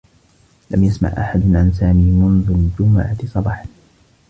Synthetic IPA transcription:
lamjasma̰ʕʔaħad̪ʊnʕans̬aːmiːmʊnðʊld͡ʒʊmaʕat̪sˤɑbɑːħ

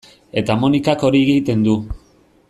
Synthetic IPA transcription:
e̞t̪amonikako̞ɾieɣiɣit̪e̞nd̪u

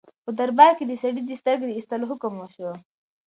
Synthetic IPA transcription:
pəd̪aɾbɑɾked̪əsaɽid̪əst̪əɾɡd̪əist̪aloɦʊkəmwaʃwa

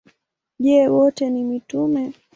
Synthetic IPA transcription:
ʄɛwɔtɛnimitumɛ

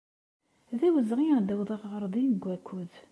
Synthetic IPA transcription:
ðæwəzʁid̪əwðˤəʁʁəɾˤd̪ˤinəɡʷːækʰːuð

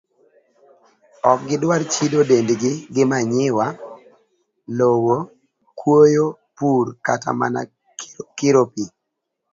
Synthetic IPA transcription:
ɔk̚ɡɪdwaɾt͡ʃidodendɡɪɡɪmaɲɪwa | lowo | kʰwojopuɾka̰ta̰ma̰na̰ | kɪɾopi

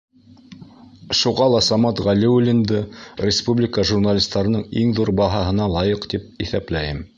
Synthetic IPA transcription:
ʃuʁɑlˠɑsɑmɑt̪ʁælʲiulʲind̪ɤɾʲɪspublʲɪkəʒurnalʲist̪ɑɾɤ̆nɤɴiŋðuɾbɑɦɑɦɤ̆nɑlˠɑjɤqt̪ip̚iθæplæjɘm

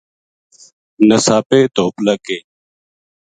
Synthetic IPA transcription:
nəsaːpeːt̪oːpləkeː

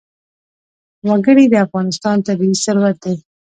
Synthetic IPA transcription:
waɡəɽid̪əafɣɑnɪst̪ɑnt̪abiisaɾwat̪̚d̪e

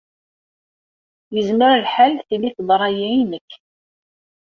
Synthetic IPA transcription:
jəzməɾlħalθilːiθðˤɾˤɑjiinəkː

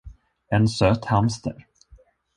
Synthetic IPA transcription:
ɛnsøːt̪hamst̪ʰə̰ɾ

